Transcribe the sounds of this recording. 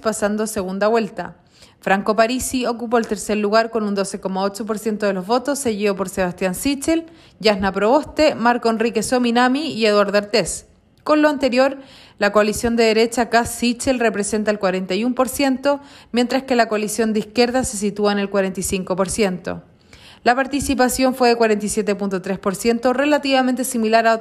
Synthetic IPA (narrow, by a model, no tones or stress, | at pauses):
pasand̪o̞se̞ɣund̪aβwe̞lt̪a̰ | fɾaŋko̞paɾisiokup̬oelt̪e̞ɾseɾluɣaɾko̞nund̪o̞se̞komao̞t͡ʃo̞p̬o̞ɾsje̞nt̪oðelo̞zβo̞t̪o̞sːe̞ɣiðo̞po̞ɾseβast̪jansit͡ʃel | jahnapɾoost̪emaɾkoenrikesominamiieðwaɾðaɾt̪es | ko̞nloant̪eɾjo̞ɾ | lakoalisjo̞nd̪eðeɾe̞t͡ʃakasːit͡ʃelre̞pɾese̞nt̪aelkwaɾent̪ajumpo̞ɾsje̞nt̪o̞mje̞nt̪ɾaske̞lakoalisjo̞nd̪eihkje̞ɾðase̞s̬it̪uaenelkwaɾent̪ijsiŋkopo̞ɾsje̞nt̪o̰ | lapaɾt̪isipasjo̞ɱfwe̞ðe̞kwaɾent̪isje̞t̪epunt̪ot̪ɾe̞spo̞ɾsje̞nt̪o̞re̞lat̪iβamẽnt̪esimilaɾa